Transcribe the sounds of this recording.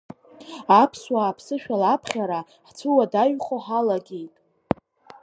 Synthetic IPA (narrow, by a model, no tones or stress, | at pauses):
apʰswaːpʰsɨʃᶣalapʰχʲaɾa | ħt͡sʰɨwadaɥχoħalaɡʲejtʼ